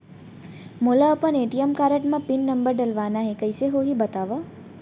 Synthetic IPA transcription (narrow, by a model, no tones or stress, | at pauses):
molaːpəneʈiəmkaɾəʈmãpinːəmbəɾɖəlʋanaɦekəjseɦoɦibət̪aʋə